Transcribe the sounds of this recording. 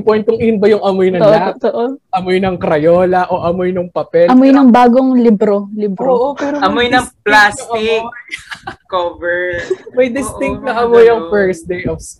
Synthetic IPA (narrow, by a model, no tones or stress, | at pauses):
pojnt̪kʊŋɪjʊnbɐjʊŋɐmojnɐoʔloaot̪oʔoʔɐmojnɐŋkɾɐjoːlɐʔo̞ʔɐmojnɐŋpɐpɛlɐmojnɐŋbaːɡoŋlibɾolibɾoːʔopɛːɾoɐmojnɐŋplasʊŋɐɪk | kobɛɹmɐjd̪ɪst̪ɪŋkt̪̚nɐʔɐmojɐŋfɛɹsd̪ejofs